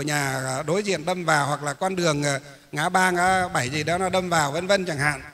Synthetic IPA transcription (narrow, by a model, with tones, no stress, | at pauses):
ɲaː˨˩˨ɗo˨˦jzḭ˧˨ənɗə˧mvaː˨˩whwa˨˩k̚laː˨˩kwaː˧nɗɨ˨˩əŋaː˨˩ | aː˨˦ɓaː˧ŋʔaː˨˦ɓa˧˩jzi˨˩ɗɔ˨˦nɔ˨˦ɗə˧mvaː˨˩wvə˧˦nvə˧nt͡ɕa˧˩ŋha̰ː˧˨n